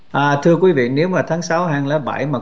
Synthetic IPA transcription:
ʔaː˨˩t̪ʰɨ˧əkwi˨˦vḭ˧˨ne˨˦wmaː˨˩t̪ʰaː˨˦ŋsa˨˦whaː˧ŋlaː˨˦ɓa˧˩jmaː˨˩

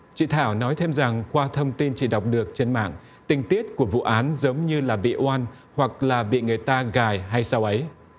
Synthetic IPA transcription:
t͡ɕḭ˧˨t̪ʰaː˧˩wnɔ˨˦jt̪ʰe˧mza˨˩ŋkwaː˧t̪ʰə˧wŋ͡mt̪i˧nt͡ɕi˧˩ɗa˨˩wk͡p̚ɗɨ˨˩ək̚t͡ɕe˧nma̰ː˧˨ŋ | t̪ï˨˩ŋ̟t̪i˦˥ət̚ku˧˩əvṵ˧˨ʔaː˨˦nzə˨˦wŋ͡mɲɨ˧laː˨˩ɓḭ˧˨ʔwaː˧n | hwa˨˩k̚laː˨˩ɓḭ˧˨ŋɨ˨˩əjt̪aː˧ɣaː˨˩jɦa˧jsa˧wʔə˨˦j

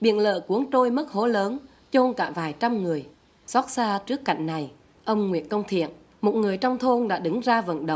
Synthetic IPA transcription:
ɓḭ˧˨ənlə̰ː˧˨ku˨˦əŋt̪o˧jmə˦˥t̚ho˧˨˦ləː˨˦n | t͡ɕo˧nkaː˧˩vaː˨˩jt͡ɕa˧mŋɨ˨˩əj | sɔ˦˥t̚saː˧t͡ɕɨ˦˥əkːa̰˧˨jŋ̟na˨˩j | ʔə˧wŋ͡mŋwḭ˧˨ənkə˧wŋ͡mt̪ʰḭ˧˨ən | mo˨˩t̚ŋɨ˨˩əjt͡ɕwŋ͡mt̪ʰo˧nɗa̰ː˧˥ɗɨ˨˦ŋzaː˧və̰˧˨nɗə̰˧˨ŋ͡m

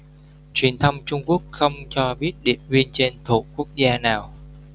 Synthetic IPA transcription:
t͡ɕwi˨˩ənt̪ʰə˧wŋ͡mt͡ɕʊ˧ŋ͡mku˦˥ək̚xə˧wŋ͡mt͡ɕɔ˧ɓi˦˥ət̚ɗḭ˧˨ənvi˧ənt͡ɕe˧nt̪ʰṵ˧˩ku˦˥ək̚zaː˧naː˨˩w

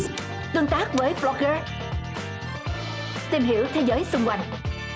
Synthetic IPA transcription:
t̪ɨ˧əŋt̪aː˦˥k̚vəː˨˦jflɔ˧ɣəː˧ | t̪i˧mɦḭ˧˥əwt̪ʰe˨˦zəː˨˦jsʊ˧wŋ͡mkwa˧˩jŋ̟

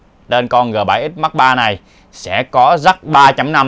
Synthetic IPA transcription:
ɗe˧nkɔ˧nŋɨ˨˩əɓa̰ː˧˩jʔi˦˥t̚ma˦˥k̚ɓaː˧na˨˩j | sɛ̰˧˥kɔ˨˦za˦˥t̚ɓaː˧t͡ɕa˧mna˧m

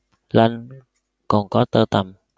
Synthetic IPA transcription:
la˧n | kɔ˨˩nkɔ˨˦t̪əː˧t̪a˨˩m

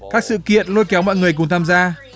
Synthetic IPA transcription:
kaː˦˥k̚sɨ̰˧˨kḭ˧˨ənlo˧jkɛ˨˦wmɔ̰˧˨jŋɨ˨˩əjk̬ʊ˨˩ŋ͡mt̪ʰaː˧mzaː˧

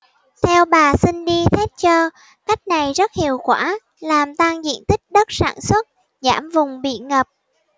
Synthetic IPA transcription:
t̪ʰɛ˧wɓaː˨˩si˧nɗi˧t̪ʰɛ˦˥t̚t͡ɕəː˧ | ka˦˥jk̟̚na˨˩jzə˦˥t̚hḭ˨˧˨əwkwaː˧˩ | laː˨˩mt̪a˧ŋzḭ˧˨ənt̪ï˦˥k̟̚ɗə˦˥t̚sa̰ː˧˩nswə˦˥t̚ | zaː˧˩mvʊ˨˩ŋ͡mɓḭ˧˨ŋə˨˩p̚

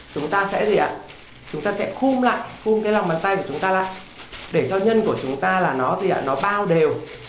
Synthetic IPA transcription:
t͡ɕʊ˨˦ŋ͡mt̪aː˧sɛ̰˧˥zi˨˩ʔa̰ː˧˨ | t͡ɕʊ˨˦ŋ͡mt̪aː˧sɛ̰˧˥xu˧mla̰ː˧˨jxu˧mkaː˨˦la˨˩ŋ͡mmɓaː˨˦nt̪a˧jku˧˩ət͡ɕʊ˨˦ŋ͡mt̪aː˧la̰ː˧˨j | ɗe˧˩t͡ɕɔ˧ɲə˧nku˧˩ət͡ɕʊ˨˦ŋ͡mt̪aː˧laː˨˩nɔ˨˦zi˨˩ʔa̰ː˧˨˩nɔ˨˦ɓaː˧wɗe˨˩w

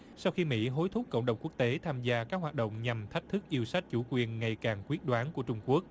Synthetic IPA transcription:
sa˧wxi˧mḭ˧˥ɦo˨˦jt̪ʰʊ˦˥k͡p̚kə̰˧˨wŋ͡mɗə˨˩wŋ͡mku˦˥ək̚t̪e˨˦t̪ʰaː˧mzaː˧kaː˦˥k̚waː˨˩t̚ɗo̰˧˨wŋ͡mɲa˨˩mt̪ʰa˦˥k̚t̪ʰɨ˦˥k̚ʔi˧əwsa˦˥k̟̚t͡ɕu˧˩kwi˨˩ənŋa˨˩jkaː˨˩ŋkwi˦˥ət̚ɗwaː˨˦nku˧˩ət͡ɕʊ˧ŋ͡mku˦˥ək̚

